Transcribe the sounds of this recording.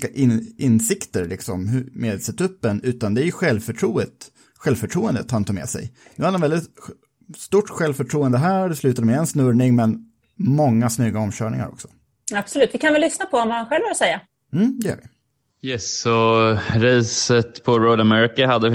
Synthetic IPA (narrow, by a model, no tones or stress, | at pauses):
kaʔɪɪnsɪkt̪əɾlɪksɔmhmeːd̪lsɛt̪ʰɵpːənʉ̟ːt̪and̪ɛæɾjɵɧɛlvfœʈʰɾuːət̪ | ɧɛlvfœʈʰɾuːənd̪ət̪hant̪ʰɑːmɛ̰ːsɛ̰jd̪̥ɵhad̪ɛnvɛlɪt̪ | st̪uʈːɧɛlvfœʈʰɾuːənd̪əɦæːdɛslʉ̟t̪ad̪əɛmɛɛnsnɵɾɳɪŋmɛn | mɔŋːasnyːɡaɔmɕœːɳɪ̰ŋa̰ɾɔ̰ksɔ̥ | ab̥sɔlʉ̟ːt̪vɪkʰanvɛllʏsnapʰɔvɔmmanɧɛlvːɾsɛjːa | m̩ːd̪ɛæ̰ɾvɪ | jɛsɔɾɛːsət̪pʰɔɾɔd̪amɛɾɪkaɦad̪ːə